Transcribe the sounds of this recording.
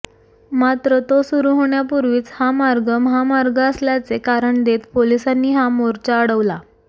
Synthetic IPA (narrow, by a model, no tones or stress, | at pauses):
mat̪ɾət̪osuɾuɦoɳjapuɾʋiːt͡shamaɾɡəmɦamaɾɡəəsljat͡sekaɾəɳd̪et̪polisanːiːɦamoɾt͡ɕaəɽəʋla